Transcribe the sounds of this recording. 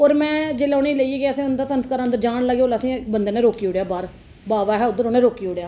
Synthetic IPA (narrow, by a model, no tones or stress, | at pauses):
oːɾmɛ̃ːd͡ʒeːlaːniːləieːɡeəsĩːʊnd̪aːsənəskaːɾə̃nd̪əɾd͡ʒaːɳləɡeoːlasĩːbənd̪eːneːɾoːkiːoːɽjaːbaːɾ | baːʋaːɦɛːʊd̪əɾoːnẽːɾoːkiːoɽjaː